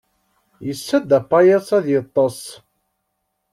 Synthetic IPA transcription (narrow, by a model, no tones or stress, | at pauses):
jəsːæd̪æpːɑjɑsˤæðjət̪ˤːɑsˤ